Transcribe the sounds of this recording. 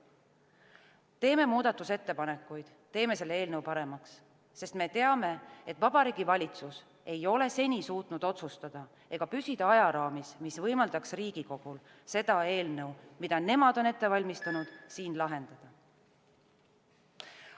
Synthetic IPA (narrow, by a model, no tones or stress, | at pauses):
t̪e̞ːme̞muːd̪̥ɑt̪ːˑuse̞t̪ːe̞pɑne̞kːˑujd̪̥t̪ːe̞ːme̞se̞lːee̞ːlnəwpɑɾe̞mɑksː | e̞st̪me̞t̪e̞ɑme̞et̪vɑb̥ɑɾiːɡ̥ivɑlʲit̪sus | e̞jo̞le̞se̞nʲisuːt̪nud̪̥o̞t̪sust̪ɑd̪̥ɑ | e̞ɡ̥ɑpysid̪̥ɑɑjɑɾɑːmismisvɤ̞jmɑld̪ɑksriːɡ̥iko̞ɡ̥ul | se̞d̪̥ɑe̞ːlnɤwmid̪̥ɑne̞mɑd̪̥o̞ne̞t̪ˑːe̞vɑlʲmist̪ɑnud̪̥siːnlɑɦe̞nd̪̥ɑd̪̥ɑ